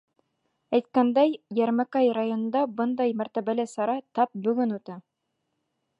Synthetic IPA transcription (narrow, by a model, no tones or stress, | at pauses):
æjt̪̚kænd̪æjjæɾmækɑjrajonɤ̆nd̪ɑbɤnd̪ɑjmæɾt̪æβælɘsɑɾɑt̪ɑp̚bɵ̆ɡɵnut̪ɑ